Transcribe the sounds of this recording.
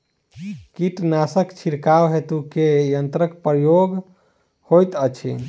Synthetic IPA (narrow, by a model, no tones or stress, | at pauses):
kiʈnasəkt͡ʃʰiɾkawɦet̪ukejənt̪ɾəkpɾəjoɡ | hojt̪ət͡ʃʰḭ